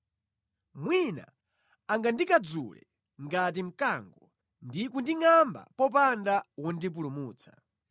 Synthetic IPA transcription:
mwina̰ | aŋɡandikad͡zṵlɛ̰ | ŋɡat̬im̩kaŋɡɔ | ndikundiŋamba̰pɔp̬andawɔndip̬ulumuːt͡sʰḁ

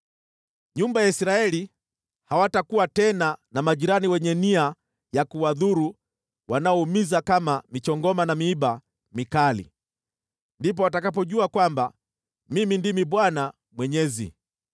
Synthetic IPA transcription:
ɲumbajaisɾaɛli | hawatakuwatɛnanamaʄiɾaniwɛɲɛnia | jakuwaðuɾu | wanaɔumizakamamit͡ʃɔŋɡɔmanamiiɓa | mikalḭ | ndip̬ɔwatakap̬ɔʄuakwamba | mimindimiɓwana | mwɛɲɛzḭ

